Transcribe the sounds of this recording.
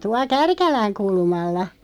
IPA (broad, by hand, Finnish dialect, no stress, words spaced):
tuɑ kærkælæŋ kulmɑlːɑ